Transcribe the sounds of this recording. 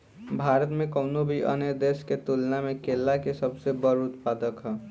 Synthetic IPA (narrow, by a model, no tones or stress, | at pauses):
bʱaːɾət̪mẽkɔʊnobʱiʔə̰nəɾd̪eːʃket̪uːlnamẽkeːlːakesɐbsebəɾʊt̪̚paːd̪əkɦɛ̃ː